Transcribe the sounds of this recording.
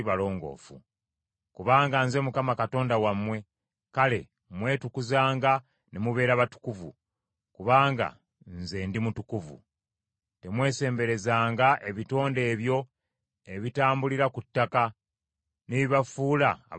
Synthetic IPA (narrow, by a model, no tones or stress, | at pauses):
βalo̞ːŋɡo̞̰ːfṵ | kuβaːŋɡanze̞mukamakato̞ːndawamːwe̞ | kale̞̰ | mwe̞ːtukuzaːŋɡa | nemuβe̞ːɾaβatu̥kuvṵ | kuβaːŋɡa̰ | nze̞ndimutukuvṵ | te̞mwe̞ːse̞ːmbe̞ɾe̞zaːŋɡaʔe̞βito̞ːnde̞ːβjo̞ | eβitaːmbuliɾakutːaka | neβiβafuːla̰ː